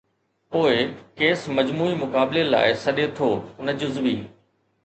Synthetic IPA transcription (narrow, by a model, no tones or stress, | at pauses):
poːɪkeːsmɐd͡ʑmuːimʊkaːbɪlela̰ːɪsɐɗet̪ʰoːnɐd͡ʑʊzbiː